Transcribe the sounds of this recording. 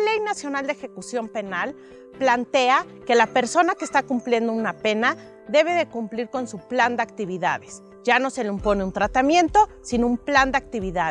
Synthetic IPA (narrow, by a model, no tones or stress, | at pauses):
le̞jnasjo̞nald̪exe̞kusjo̞mpe̞nal | plant̪e̞a | ke̞lape̞ɾso̞nakest̪akumplje̞nd̪o̞unape̞na | ðe̞β̞e̞ðe̞kumpliɾko̞nsupland̪eakt̪iβiða̰ðes | ɟ͡ʝano̞se̞leumpo̞neunt̪ɾat̪amjẽ̞nt̪o̞ | sinoumpland̪eak̚t̪iβ̞iða